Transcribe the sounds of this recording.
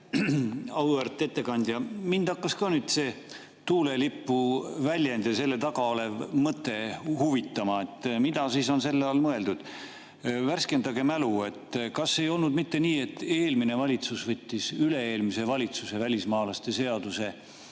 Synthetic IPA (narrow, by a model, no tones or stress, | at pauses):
ɑwert̪ˑːe̞t̪ːe̞kɑnʲd̪̥jɑmind̪̥ɑkːɑskɑːnyːd̪̥se̞ː | t̪uːle̞lipːuvælʲjend̪̥ese̞lːe̞t̪ɑɡ̥ɑole̞vmɤt̪ˑːe̞huvit̪ːˑɑmɑe̞t̪ːˑmid̪ɑsiːso̞nse̞lːeɑːlmɤe̞ld̪ud̪̥ | værske̞nd̪ɑɡemælue̞t̪ːˑkɑsːe̞jo̞lnud̪mit̪ːe̞niːe̞t̪ːe̞ːlmine̞vɑlʲit̪susvɤt̪ʲːisyle̞eːlmise̞vɑlʲit̪suse̞vælʲismɑːlɑst̪e̞se̞ɑd̪̥use̞